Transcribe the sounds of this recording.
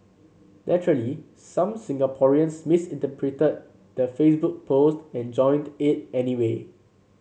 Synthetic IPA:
lʔɛtəɹəli | sãmsɪ̃ŋɡapʰɔɹiə̃nsmisɪ̃ntəpʰɹitəd̚ | d̥əfesbuk̚pʰostɛ̃nd͡ʒɔ̃ɪj̃ndɪt̚ɛniwe

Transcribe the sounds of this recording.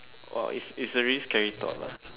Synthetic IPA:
wɛ̰lḭsisəɹiskɛɹitɔ̰la̰

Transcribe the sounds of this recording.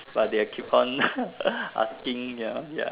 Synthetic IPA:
bat̚deakʰipʰɔ̃n | ʔa̰skɪ̃ŋjaja̰

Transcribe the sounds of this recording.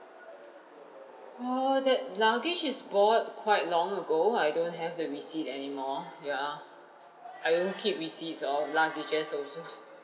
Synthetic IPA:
odɛt̚laɡid͡ʒɪsbɔt̚kʰwaɪt̚lɔ̃ŋəɡoajdõntɦɛvdəɹisitɛnimɔja | ajdõnkʰip̚ɹisitsɔlaɡid͡ʒəsɔso

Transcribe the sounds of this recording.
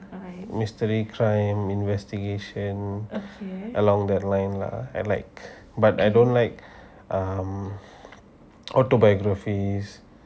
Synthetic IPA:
mistəɹikʰɹãjmĩnvɛstiɡeʃə̃n | ʔəlɔ̃ŋdɛt̚lãj̃nla̰a̰jlaɪk̚ | batajdõnlaɪk̚ | ʔam | ɔtobajɔɡɹafis

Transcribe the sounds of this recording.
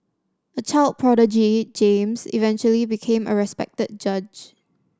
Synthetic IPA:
ət͡ʃʰaɪlt̚pʰɹɔɾəd͡ʒid͡ʒẽmsḭvɛ̃nt͡ʃuəlibikʰẽmə̰ɹɛspɛ̰k̚təd̚d͡ʒad͡ʒ

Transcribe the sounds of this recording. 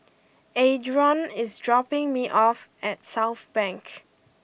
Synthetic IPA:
edɹɔ̃nɪsdɹɔpɪ̃ŋmiʔɔfɛtsaʊθb̥ɛ̃ŋk

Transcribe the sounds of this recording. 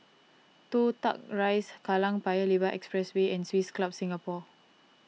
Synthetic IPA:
t̪ut̪a̰k̚ɹajskalãŋpajəlibaʔɛ̰kspɹɛsweɛ̃nswisklap̚sĩŋɡapɔ

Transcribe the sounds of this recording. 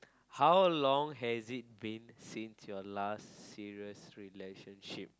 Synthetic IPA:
hawlɔ̃ŋɦɛzit̚bĩnsĩnsjɔlasːiɹiəsɹileʃə̃nʃip̚

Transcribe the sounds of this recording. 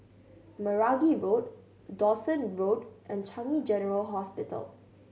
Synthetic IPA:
məɹaɡiɹoːʈ̚ | ɖɔsə̃nɹoːʈʔɛ̃nt͡ʃʰãŋid͡ʒɛnəɹəlɦɔspɪʈə̰l

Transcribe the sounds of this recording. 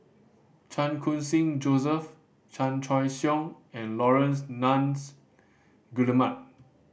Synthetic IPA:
t͡ʃãnkʰũnsĩŋd͡ʒosəf | t͡ʃãnt͡ʃʰɔjsjɔ̃ŋ | ɛ̃nlɔɹə̃nsnãns | ɡuləmat̚

